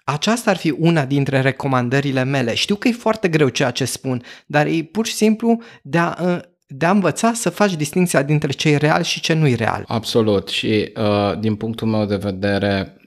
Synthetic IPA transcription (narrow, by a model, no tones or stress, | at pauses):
at͡ʃast̪aːrfiʔunad̪int̪ɾe̞ɾe̞ko̞mand̪əɾile̞me̞le̞ʃt̪iwkəje̞foart̪e̞ɡɾe̞wt͡ʃejat͡ʃe̞spund̪arjejpurʃi̥simplud̪eaʔ | d̪eaɨnvət̪sasəfat͡ʃʲd̪ist̪iŋkt̪sijad̪int̪ɾe̞t͡ʃe̞jre̞a̰lʃit͡ʃe̞nujre̞̰a̰la̰bso̞lut̪ʃiəd̪inpuŋk̚t̪ulme̞wd̪e̞ve̞d̪e̞ɾe̞